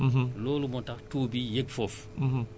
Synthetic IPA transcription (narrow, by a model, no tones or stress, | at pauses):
ɦ̩loːlumɔtaxtuːbijeɡ̚fɔf̩ɦ̩